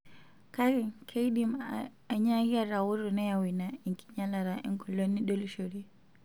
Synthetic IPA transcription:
ka˦ɾi˨ŋkʰe˦i˦ɗim | a˨ɲa˦ɣi˦a˦ɾa˨wu˦ɾu˨nɛ˦ja˨wi˨na˨i˨ŋkʰi̥˨ɲa˦la˨ɾa˨ʔɛ̰˦ŋkɔ˨lɔ˦nːi˦ɗɔ˦lʃɔ˨ɾi˦

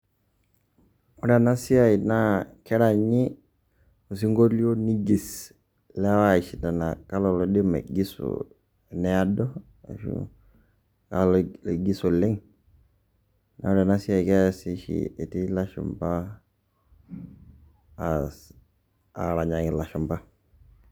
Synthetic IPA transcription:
ɔ˦ɾa˨na˦si˦a˦i˨nakɛ˦ɾa˨ɲi˦ | u˨s̬i˦ŋɡo˦li˦o˦ni˦ɡi˨s | lɛ˦wa˦˨ʃi˨na˨na˨ka˦lɔ˨lo˨di˦mḛ˨ɡi˦sṵ | nɛ˦a˦dɔ˦ | a̰˨ʃṵ | kalɡi˦su˨lɪ˦ŋ | na̰ɔ˦ɾa˨na˦si˦a˨jkɛ˦si˦ʃḭe˨ti˦la˦ʃṵmpa˦ | a̰˨ɾa˨ɲa˨ŋi˨la˨ʃu˨mba˦

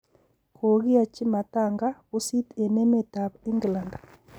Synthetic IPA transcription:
kʰo˨ɣi˦a˨t͡ʃi˦ma˨ta˦˨ŋɡa˦u˦si˦tɛ˨nɛ˦mɛ˦˨ta˨pi˦ŋɡla˨nda˨

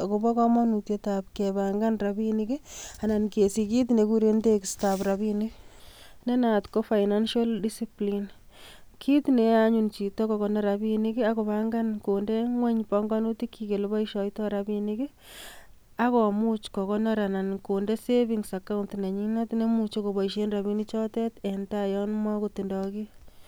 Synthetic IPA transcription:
ako˨bɔ˦kɔ˦mɔ˦nu˨tjeta˨p̚kebaŋɡa˦nrabini˦ki˦a˨na˨nke˨si˨ki˦t̬ne˨kuɾe˦nde˦kstapɾa˨bini˦ | ne˦na˨tko˦fa˨ɪna˦nʃa˦ldisiplin | kʰi˦tne˨a˦ɲunt͡ʃi˨tɔ˦kɔkɔ˨nɔ˦ɾabini˦ki˦ako˨βaŋɡa˦nko˨nde˦ŋwɛ˦ɲpɔŋɡɔnu˦ti˦kʰːi˨ke˨lbɔ˦iʃɔ˨jtɔ˦ɾabini˦ki˦ | a˦kɔ˨mu˦t͡ʃkɔ˨kɔ˦nɔ˦ɾa˨na˨nkonde˦se˦βiŋsa˨ka˦untna˨ɲi˦na˦tne˦mut͡ʃo˦ko˨bɔ˨iʃe˦nra˨βi˦ni˦t͡ʃɔ˦tɛ˦tentajɔ˦nmwakotindɔki˦

